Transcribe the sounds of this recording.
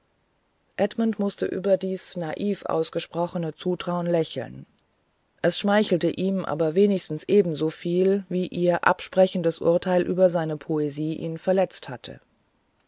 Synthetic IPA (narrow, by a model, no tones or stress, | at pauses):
ʔɛtmʊntmʊstə̰ʔy̰ːbɐdiːsnaʔiːfʔa̰ʊsɡ̥əʃpʁ̥ɔχənət͡suːtʁ̥aʊənlɛçl̩n | ʔɛsʃmaɪçl̩təʔiːmʔa̰ːbɐveːnɪçstn̩sʔeːbm̩zoːfiːlviːʔiːɐʔa̰pʃpʁ̥ɛçn̩dəsʔʊ̰ɐtʰaɪlʔyːbɐzaɪnəpʰoeziːʔḭːnfɛɐlɛt͡sthatʰə̰